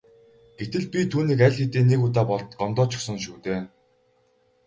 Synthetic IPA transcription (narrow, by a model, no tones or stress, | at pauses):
ɡ̥et̪ɘ̆ɮpʲit̪ʰuːniːkæɮʲxet̪eːneɣut̪aːpɔɮt̪ɢɔmt̪ɔːt͡ɕʰʊ̥̆χsɞ̆ŋʃuːt̪eː